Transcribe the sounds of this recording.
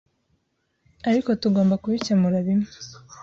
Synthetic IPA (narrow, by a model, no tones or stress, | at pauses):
aɾiko̞tuɡo̞ːmbakuβicamuɾaβime̥